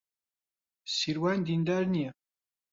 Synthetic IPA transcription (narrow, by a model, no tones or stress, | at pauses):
siɾwænd̪ind̪æɾni